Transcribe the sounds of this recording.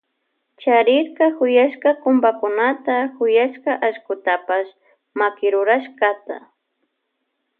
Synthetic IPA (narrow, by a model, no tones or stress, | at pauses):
t͡ʃaɾɪɾkakʊjaʃkakʊmbakʊnat̪akʊjaʃkaʔaʃkʊt̪apas | makɪɾʊɾaʃkat̪a̰